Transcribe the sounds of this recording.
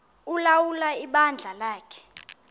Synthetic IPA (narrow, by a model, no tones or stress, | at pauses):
ulawulaiɓand͡ɮʱalaːkʰɛ̥